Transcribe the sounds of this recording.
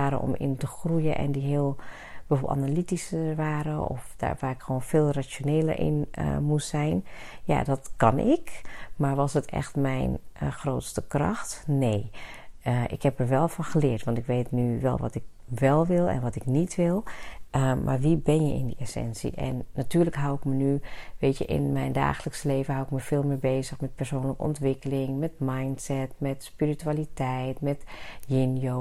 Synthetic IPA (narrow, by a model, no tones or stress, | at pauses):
aːɾə̰nʔɔ̰mɪ̰ntəxrujəʔɛ̰ndiɦɪːlˠ | bəfoblˠtanalitisəʋaːɾəɔ̰fd̥a̰ʋaːɪkxəʋoːnfeːlˠrat͡ʃjoneːlə̰ɹʔɪ̰nmussɛjnja̰dɑtkɑnʔɪkmaɹʋɑsətʰɛ̰xtmɛjnxroːtstəkrɑ̰xtneː | ʔɪkhɛpəɹʋɛlˠfɑnxəlɪːɹtʋɑntɪkʋeːtnyʋɛ̰lˠʋɔ̰tɪk̚ | ʋɛlˠʋɪlˠɛ̰nʋɔtɪknitʰʋɪlˠ | mʔa̰ɹʋibɛnjəɪ̰ndiesɛ̰nsḭʔɛ̰nːatyːrləkɦawɪkmənyʋeːtjəʔɪ̰nmɛjnda̰ːxələksəleːvənɦawɪkməfɪːlˠmɪbeːzəxmɛt̚pɛrsoːnləkəɔ̰ntʋɪkəlɪŋmɛtmajntsɛtmɛtspirityalitɛjtmɛtjɪnjo